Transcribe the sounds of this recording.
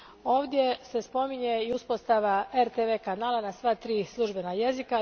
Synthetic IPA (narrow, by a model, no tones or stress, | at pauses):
o̞ːʋd̪je̞sespo̞miɲeiuspost̪aʋaeɾt̪eʋeːkanaːlˠanasʋat̪ɾiːslˠuʒbe̞naje̞zika